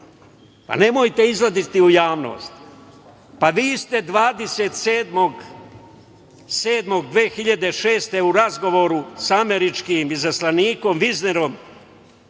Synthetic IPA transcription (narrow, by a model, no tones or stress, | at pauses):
pa̰ne̞mo̞jt̪e̞izlad̪it̪iujaːʋno̰ːst̪ | paʋiːst̪e̞d̪ʋaːd̪e̞set̪seːd̪moɡ | se̞ːd̪mo̞ɡd̪ʋeːxiʎad̪eʃeːst̪e̞uɾazɡo̞ʋo̞ɾusame̞ɾit͡ʃkimizaslaniːko̞mʋizneɾo̞m